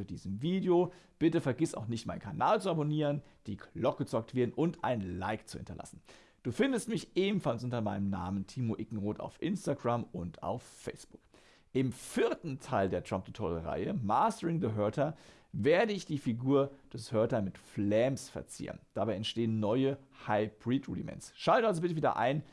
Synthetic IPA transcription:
diːzəmviːdeob̥ɪtəfɛɐɡɪsa̰ʊxnɪçtmaɪnkʰanaːlt͡suaboniːʁənd̥iːklɔkəət͡sɔk̚tv̥eɐdn̩ʔʊntʔa̰ɪnnla̰ɪkt͡suhɪ̰ntɐ̰lʔa̰sn̩ | d̥uːfɪndəstmɪçʔeːbm̩falsʔʊntɐmaɪnəmna̰ːməntʰiːmoʔɪkŋ̩ʁoːta̰ʊfʔɪnstaɡʁamʊnta̰ʊfːɛɪsb̥ʊ̥k | ʔɪmfɪɐtn̩tʰaɪldeːɐtʁ̥amp̚dətʰɔləʁa̰ɪəmaːstəʁɪŋdəɦœɐtʰɐ | veːɐdəɪçd̥iːfiɡuːɐd̥ɛshœɐtɐmɪtflɛːmsfɛ̰ɐt͡sḭːʁə̰nd̥abaɪɛntʃteːənːɔʏəhaɪb̥ʁiːtʁṵːdimɛ̰nsʃaltəalzobɪtəviːdɐ̰ʔa̰ɪn

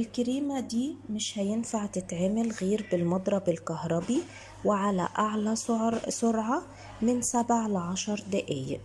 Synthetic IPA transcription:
ʔɪlkɪɾiːmad̪iːmɪʃhæjɪnfaʕt̪ɪt̪ʕemɪlɣiːɾbɪlmɑd̪ˤɾˤɑbɪlkahɾˤɑbi | wɪʕalæ̰ʔaʕlasʊɾʕɑ | mɪnsabʕlʕɑʃɑɾˤd̪ɪʔɪj

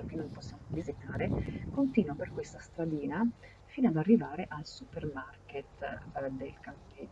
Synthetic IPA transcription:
ok̟enːomposːjaːmovizit̪aːɾekont̪iːnwaperkwest̪ast̪ɾad̪iːna | fiːnoad̪arːivaːɾeʔalsupermarket̪d̪elkampɛ

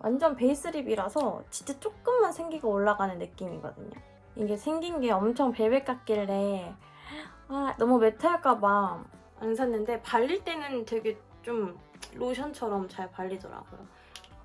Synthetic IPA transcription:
wʔa̰nd͡ʑʌnpe̞is͈ɯɾibiɾasʰʌt͡ɕi̥t͡ɕ͈ʰet͡ɕ͈ok̚k͈ɯmːansʰe̞ŋɡiɡaoɭːaɡanɯnːɯk͈̚imiɡʌ̰dɯɲo̰ | iɡe̞sʰe̞ŋɡinɡe̞ʌmt͡ɕʰʌŋpe̞we̞k͈ak̚k͈iɭːe̞ | anʌmume̞tʰaɭɡ͈amaŋ | ansʰʌnːɯnde̞paʎːiɭt͈e̞nɯntwe̞ɡe̞ | t͡ɕ͈om | ɾoɕʰʌnt͡ɕʰʌɾʌmt͡ɕaɭpaʎːidʌɾa̰ɡ̥ojo

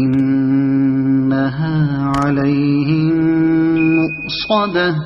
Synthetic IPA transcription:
ɪn | aɦaːʕalajhɪ | mʊʔ | sˤɑd̪a

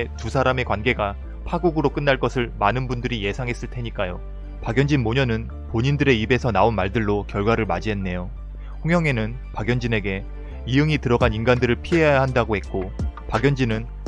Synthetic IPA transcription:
tusʰaɾame̞kwanɡe̞ɡa | pʰaɡuɡɯɾok͈ɯnːaɭk͈ʌsʰɯɭmanɯnbundɯɾije̞sʰaŋɦe̞s͈ɯɭtʰe̞ɲik͈ajo | paɡjʌnd͡ʑinmoɲʌnɯn | poɲindɯɾe̞ibe̞sʰʌnaonmaɭdɯɭːokjʌɭɡwaɾɯɭmad͡ʑiɦe̞nːe̞jo | ɸoŋɦjʌŋe̞nɯn | paɡjʌnd͡ʑine̞ɡe̞ | iɯŋitɯɾʌɡaninɡandɯɾɯɭpʰiɦe̞jajaɦandaɡohe̞t̚k͈opaɡjʌnd͡ʑinɯn

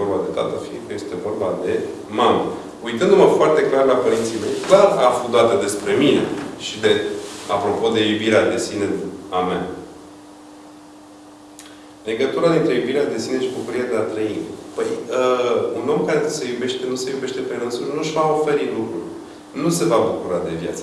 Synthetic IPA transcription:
orbad̪e̞t̪a̰t̪əfiŋkəjest̪e̞vo̞rbad̪e̞ | mamə | ujt̪ɨnd̪uməfoart̪e̞klarlapəɾint̪sijme̞jklarafud̪at̪əd̪e̞spɾe̞mine̞̰ʃid̪e̞apɾo̞po̞d̪e̞jubiɾead̪e̞sineama̰ | le̞ɡət̪uɾad̪int̪ɾe̞jubiɾead̪e̞sine̞ʃibukuɾiad̪eat̪ɾəinpəjəuno̞mkaɾesejube̞ʃt̪enuse̞jube̞ʃt̪e̞pe̞ɾənsunuʃvao̞fe̞ɾit̪lukɾṵl | nuse̞vabukuɾad̪e̞vja̰t̪sə

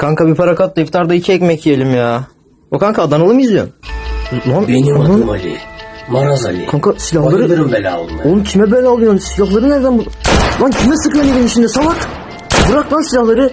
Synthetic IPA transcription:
kʰaŋkabipʰaɾakat̪̚d̪aift̪ʰaɾd̪aicʰɛɛcʲmɛcijelʲimjaː | okʰaŋkʰaːd̪analˠɯmjizijo̰m | mamenionunmalʲḭmaɾaza̰lʲḭkʰaŋkʰasilʲahlˠaɾɯɾmbɛlʲɛa̰lˠmonuncʰimɛbɛlʲːɛalˠɯjonsilʲaxlˠaɾɯnæɾd̪ænbub̪ancʰimɛsɯkɯønʲed̪init͡ʃʰind̪ɛsalak | bɯɾaklˠansilʲahlˠaɾɯ

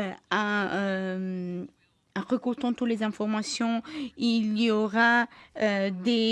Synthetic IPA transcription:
ã | ʁəkuʁt̪ɔ̃t̪ut̪lezɛ̃fɔʁmasjɔ̃iljoʁaød̪e

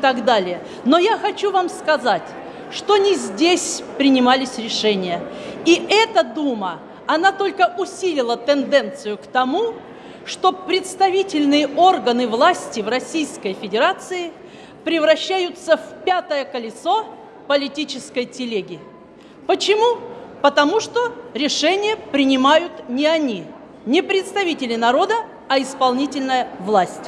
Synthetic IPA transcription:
t̪aɡd̪alʲɪjə | no̞jaxɐt͡ɕuvamskɐzatʲ | ʂt̪onʲɪzʲdʲesʲpɾʲɪnʲɪmalʲɪsʲɾʲɪʂɛnʲɪjəiɛt̪əd̪umə | ɐnat̪o̞lʲkəʔʊsʲilʲɪlˠət̪ɨnd̪ɛnt̪sɨjʊkt̪ɐmu | ʂt̪o̞pɾʲɪt̪st̪ɐvʲitʲɪlʲnɨjəʔo̞rɡənɨvlˠasʲtʲɪvrɐsʲijskəjfʲɪdʲɪɾat̪sɨɪ | pɾʲɪvɾɐɕːæjʊt̪səfpʲat̪əjəkəlʲɪso̞ | pəlʲɪtʲit͡ɕɪskəjtʲɪlʲeɡʲɪ | pət͡ɕɪmupət̪ɐmuʂt̪o̞ɾʲɪʂɛnʲɪjəpɾʲɪnʲɪmajʊt̪nʲɪɐnʲi | nʲɪpɾʲɪt̪st̪ɐvʲitʲɪlʲɪnɐɾo̞d̪ə | ɐɪspɐlˠnʲitʲɪlʲnəjəvlˠasʲtʲ

